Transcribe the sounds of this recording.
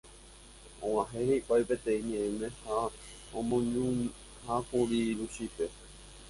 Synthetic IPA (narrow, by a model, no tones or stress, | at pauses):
õãɦẽheʔʷajpe̞t̪ẽĩɲẽẽmẽ̞ha | õmõɲũ | hakũɾiɾuʃipe